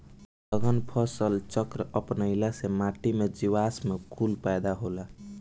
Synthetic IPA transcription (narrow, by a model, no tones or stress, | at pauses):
ləɡənpʰəsəlt͡ʃəkɾəʔəpnəɪlasemaʈimed͡ʒiwasmekʰulpajd̪aɦola